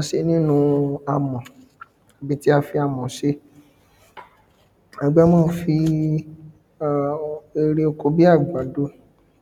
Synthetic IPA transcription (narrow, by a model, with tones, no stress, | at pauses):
a˧ʃe˧˦nĩ˦nũ˧a˧mɔ̃˨ | a˨bi˨˦ti˦a˧fi˧a˧˨mɔ̃˨ʃe˧˦ | a˨ɡ͡ba˦mɔ̃ː˦˨˧fi˧˨ | e˧ɾi˧o˧ko˧˦bi˦a˦˨ɡ͡ba˨do˨˦